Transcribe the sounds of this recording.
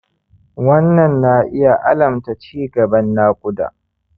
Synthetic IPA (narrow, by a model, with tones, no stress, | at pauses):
wɐ˦nːɐ˨nːa˦ʔɪ˦ja˨ʔa̰˦lɐ˨mta˨t͡ʃiː˦ɡɐ˨bɐ˦nːaː˦kʷʼʊ˦da̰ː˨